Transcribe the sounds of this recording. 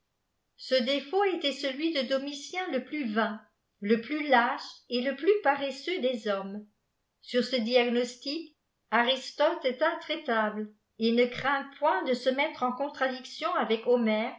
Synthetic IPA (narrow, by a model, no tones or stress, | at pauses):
səd̪efoet̪ɛsəlɥid̪əd̪ɔmisjɛ̃ləplyvɛ̃ | ləplylaʃeləplypaʁesød̪ezɔm | syʁsəd̪iaɡnɔst̪ik | aʁist̪ɔt̪ɛt̪ɛ̃t̪χɛt̪abl | enəkχɛ̃pwɛ̃d̪əsəmɛt̪χɑ̃kɔ̃t̪χad̪iksjɔ̃avɛkɔmɛːʁ